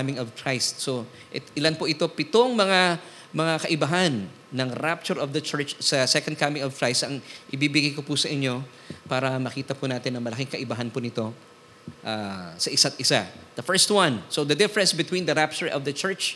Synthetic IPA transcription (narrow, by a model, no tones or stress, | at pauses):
mɪŋɔvkʰɹajst̪̚so | ʔɛt̪ɪlanpʊʔɪt̪o̞pɪt̪oŋmɐŋa | mɐŋakɐʔɪbɐɦanː | ɐŋɾap̚t͡ʃʊɹɔvd̪ɐt͡ʃɛɹt͡ʃsɐsɛkõnd̪̚kʰamɪ̃ŋɔvkɹajst̪ɐŋʔɪbiːbɪɡajkopusɐʔɪɲːo̞ | paːɾɐmɐkiːt̪ɐpunaːt̪ɪnːɐŋmɐlɐkiŋkɐʔɪbɐɦɐnpʊnɪt̪o̞ | ʔaːsɐʔɪsat̪̚ʔɪsad̪ɐfɛɹst̪̚wãnsod̪ɐd̪ɪfɹɛ̃nsbɪt̪wind̪ɐɾap̚t͡ʃʊɹʔɔvd̪ɐt͡ʃɛɹt͡ʃ